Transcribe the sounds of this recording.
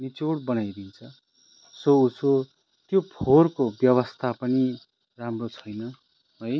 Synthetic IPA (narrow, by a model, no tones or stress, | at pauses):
nit͡soɽbʌnajdint͡sʰʌ | souso | t̪jopʰorkobjʌβʌst̪ʰapʌni | ramrot͡sʰʌjnʌ | ɦʌj